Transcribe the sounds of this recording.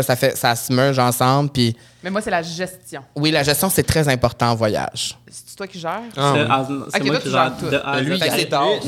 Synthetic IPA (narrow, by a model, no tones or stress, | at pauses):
safɛsasmœʁʒɑ̃sɑ̃blpi | mɛmwasɛlaʒɛst̪jɔ̃wilaʒɛst̪jɔ̃sɛt̪χɛzɛ̃pɔʁt̪ɑ̃ɑ̃vwaja̰ʒ̥sɛ̥ty̥t̪wakʲiʒɛːʁɛãsɛtwawaʒɛt̪ud̪ɛlɥifɛkksɛd̪ɔ̃